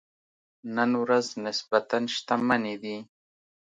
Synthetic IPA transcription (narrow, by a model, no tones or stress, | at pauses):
nanuɾasnespat̪anʃt̪amanid̪i